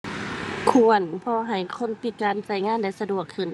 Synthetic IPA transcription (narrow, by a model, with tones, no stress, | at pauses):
kʰu˧˨ə˨npʰɔː˧ɦa˨˩jkʰo˧˥˨npi˨˧˩t̪̚kaː˨nsa˧˩jŋaː˧˥˨nda˧˥˨jsa˧du˨˩əkʰːɯ˧˩n